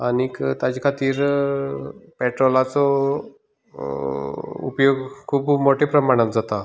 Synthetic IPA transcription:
anikt̪ad͡ʑikʰat̪iːɾ | pɛʈɾolat͡sɔ | ṵpjoɡkʰuːbmoʈʰepɾəmaɽ̃at̪d͡zat̪a

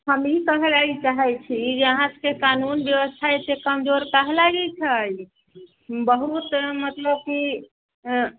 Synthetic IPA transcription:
həmikəɦɛlaɡit͡ʃaɦɛt͡ʃʰid͡ʒeəɦãskekanunbjeʋəst̪ʰaesekəmd͡ʒoɾkəɦɛlaɡɛt͡ʃʰɛj | bəɦut̪mət̪ləb̚ki

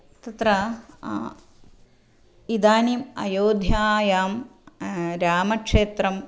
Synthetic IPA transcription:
t̪ɐt̪ɾɐ | id̪aːniːmɐ̰joːd̪ʱjaːjaːm | ɾaːmɐkʂeːt̪ɾɐm

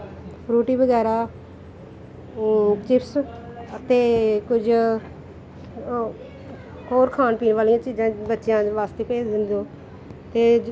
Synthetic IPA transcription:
pɾuːʈiːbəɡɛːɾaː | t͡ʃɪps | ət̪eːkʊd͡ʒ | ɦoːɾkʰaːnpiːnʋaːlijãːt͡ʃiːzãːbətːʃjãːʋaːst̪eːpeːd͡ʒd̪ɪnd̪õː | t̪eː

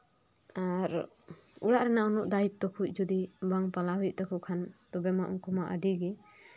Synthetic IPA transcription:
aɾ | uɽaʔɾɛnaʔunɔʔd̪ait̪̚t̪ɔkʰuc̚ˀd͡ʒud̪ibaŋpalaɦujʔ̚t̪ɔkʰɔkʰant̪ɔbɛmaʔṵŋkɔmaʔa̰ɖiɡɛ

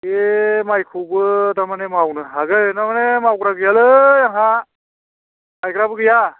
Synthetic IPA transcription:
emajkʰubt̪amanemawnaɦaɡəjnamənemawkɾakjaləaɦã | ajkɾapɡəja

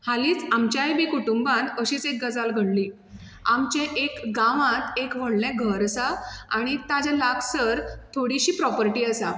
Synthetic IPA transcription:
haliːt͡samt͡ɕjajbekuʈumbãnəɕiːt͡sek̚ɡəd͡zalɡʱəɽliː | amt͡ɕẽʔekɡaʋãt̪ekʋəɽlɛ̃ɡʱəɾəsaa̰ɽ̃it̪ad͡ʑalaksəɾt̪ʰoɽiɕiːpɾɔpəɾʈiːəsa

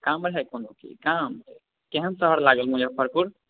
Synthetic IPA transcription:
kamɾəɦɛkonokḭkamt | keɦənsəɦəɾlaɡəlmũd͡ʒəbpʰəɾpuɾ

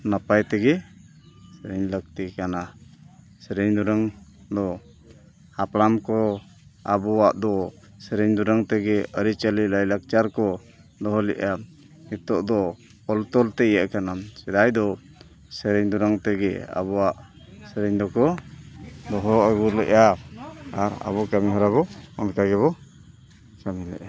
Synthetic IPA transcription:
napajt̪ɛɡɛ | sɛɾɛɲlək̚t̪ikana | sɛɾɛɲd̪uɾaŋ | d̪ɔ | haplamkɔ | abɔwaʔd̪ɔ | sɛɾɛɲd̪uɾaŋt̪ɛɡɛəɾit͡ʃəliʔlajlak̚t͡ʃaɾkɔ | d̪ɔɦɔlɛ̰ʔa | ɛt̪ɔʔd̪ɔ | ɔlt̪ɔlt̪ɛɛjaʔkanamsɛd̪ajd̪ɔ | sɛɾɛɲd̪uɾaŋt̪ɛɡɛ̰a̰bɔwaʔ | sɛɾɛɲd̪ɔkɔ | d̪ɔɦɔəɡuɾlɛʔa | aɾa̰bɔkamiɦɔɾaβɔɔnkaɡɛβɔ | kamilɛ̰ʔa

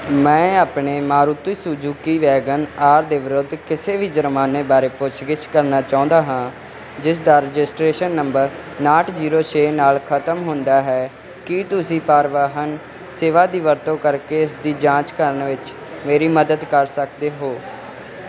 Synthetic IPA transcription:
mɛ̃ːaːpɳeːmaːɾut̪iːsud͡ʒuːkiːʋɛːɡənaːɾd̪eːʋɪɾʊd̪ːkɪseːʋiːd͡ʒəɾmaːneːbaːɾeːpʊt͡ʃʰɡɪt͡ʃkəɾnaːt͡ʃãːnd̪aːɦãː | d͡ʒɪsd̪aːɾəd͡ʒɪsʈɾeːʃənːəmbəɾ | naːʈʰziːɾoːt͡ʃʰeːnaːlkʰət̪əmɦʊ̃nd̪aːɦɛː | kɪt̪ʊsĩːpaːɾʋaːɦən | seːʋaːd̪iːʋəɾt̪õːkəɾkeːɪsd̪iːd͡ʒãːt͡ʃkəɾənʋɪt͡ʃ | meːɾiːməd̪əd̪kəɾsəkd̪eːɦoː

